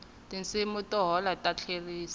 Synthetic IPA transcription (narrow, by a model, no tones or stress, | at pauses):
tɪn̩sɪmʊtɔɦɔlatat͡ɬʰeriːsḁ